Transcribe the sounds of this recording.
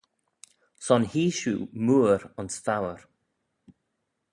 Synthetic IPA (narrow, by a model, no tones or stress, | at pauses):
sɔnhiːʃṵːmuːəɾɔnsfawəɹ